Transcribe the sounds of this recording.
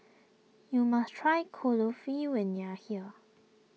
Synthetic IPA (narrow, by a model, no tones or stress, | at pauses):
jumastʰɹ̥aɪkʰolofiwɛ̃njəhiə